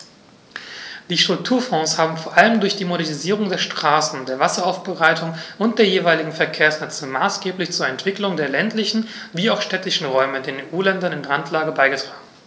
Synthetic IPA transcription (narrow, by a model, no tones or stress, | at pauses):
d̥iːʃtʁ̥ʊk̚tʰuːɐfɔ̃ːshaːbm̩foːɐʔaləmdʊɐçd̥iːmoɾɛɐniziːʁ̞ʊŋdeːɐʃtʁ̥aːsn̩deːɐvasɐaʊfb̥əʁaɪtʰʊŋʔʊnt̚d̥eːɐjeːvaɪlɪɡŋ̩fɛɐkʰeːɐsnɛt͡səmaːsɡ̥eːplɪçt͡suːɐɛntv̥ɪklʊŋdeːɐlɛntlɪçn̩ | viːaʊxʃtɛtɪçn̩ʁɔʏmədeːneːʔuːlɛndɐnɪnʁantʰlaːɡəbaɪɡətʁ̥aːɡŋ̩